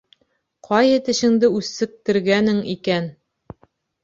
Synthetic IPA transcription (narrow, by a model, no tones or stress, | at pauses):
qʰɒjɤt̪ɘ̆ɕɘ̆ŋd̪ɘʉsːɘ̆k̚t̪ɘ̆ɾɡænɘŋikæn